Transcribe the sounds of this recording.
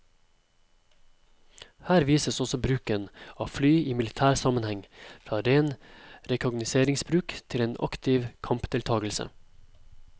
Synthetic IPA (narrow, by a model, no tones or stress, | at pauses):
hæːɾʋiːsəsɔsɔbɾʉːkənɑːflyːiːmɪlɪt̪ʰæːɾsɑmənhɛŋfɾɑːɾeːnɾɛkʰʊɡnɪseːɾɪŋsbɾʉːkt̪ʰɪleːnʔɑ̰kt̪ʰɪʋkʰɑmpd̪̥ʰɪlt̪ʰɑːɡəl̩sə̰